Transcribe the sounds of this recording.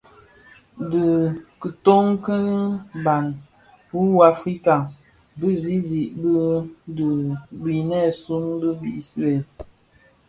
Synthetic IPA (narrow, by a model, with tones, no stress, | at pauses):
də˨kə˨to˦ŋkə˦n˦ba˨n | bu˦wa˨fɾi˦ka˨ | bə˦zi˦zi˨ʔbə˦də˨bi˨nɛ˦˨su˦nbə˦bḭ˦˨sɛ˨s